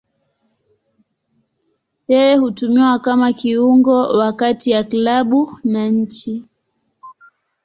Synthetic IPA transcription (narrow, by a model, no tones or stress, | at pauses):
jɛjɛhutumiwakamakiuŋɡɔwakatiaklaɓunaɲ̩t͡ʃi